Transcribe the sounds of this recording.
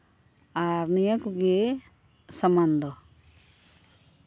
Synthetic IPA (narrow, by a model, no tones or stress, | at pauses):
aɾnijakuɡe | sɐmand̪ɔ